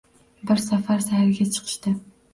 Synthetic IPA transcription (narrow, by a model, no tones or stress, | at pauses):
bɪɾsafaɾsahaɾɪɡʲat͡ʃʰɨ̥qʰɨ̥ʃt̪ɪ